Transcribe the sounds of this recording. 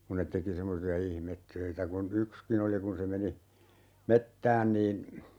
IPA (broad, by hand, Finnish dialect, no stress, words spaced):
kun̆ net teki semːosiɑ ihmetːøitæ kun ykskin oli kun se meni metːæːn niːn